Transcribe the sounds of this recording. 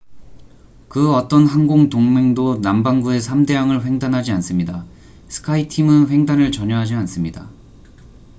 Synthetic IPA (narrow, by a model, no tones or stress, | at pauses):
kɯʌt͈ʌnɦanɡoŋtoŋme̞ŋdonambaŋɡue̞sʰamde̞jaŋɯɭɸweŋdanɦad͡ʑians͈ɯmɲida | sʰɯ̥kʰaitʰimɯnɸwe̞ŋdanɯɭt͡ɕʌɲjʌɦad͡ʑians͈ɯmɲida